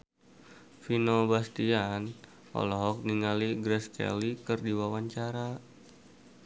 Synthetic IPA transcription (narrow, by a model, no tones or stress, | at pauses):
finobast̪ian | ʔɔ̰lɔɦɔk̚niŋaliɡɾɛskɛ̰likɨrdiwawaɲt͡ʃaɾa